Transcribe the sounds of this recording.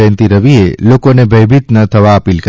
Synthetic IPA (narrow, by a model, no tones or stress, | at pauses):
ə̃nt̪iɾəʋielokonebʱəjbʱit̪nət̪ʰəʋaəpilk